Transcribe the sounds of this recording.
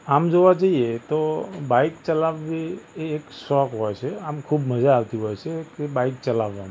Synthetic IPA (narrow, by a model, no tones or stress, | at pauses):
amd͡ʒoʋad͡ʒəɦiet̪obaikt͡ʃəlaʋːeːksɔkɦojt͡ʃʰeamkʰubməd͡ʒaːʋt̪iɦojt͡ʃʰekebaikt͡ʃəlaʋːama